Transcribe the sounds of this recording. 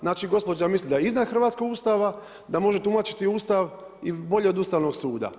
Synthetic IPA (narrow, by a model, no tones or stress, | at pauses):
znaːt͡ʃiɡo̞spo̞d͡ʒamislid̪ajeiznad̪xr̩ʋat̪skoɡust̪aʋa | d̪amo̞ʒet̪umat͡ʃi̥t̪iuːst̪aʋ | ibo̞ʎeod̪uːst̪aʋno̞ɡsuːd̪a̰